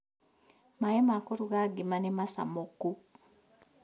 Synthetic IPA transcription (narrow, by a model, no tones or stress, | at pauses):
maemakoɾuɣaɡimanemasa̰mokːu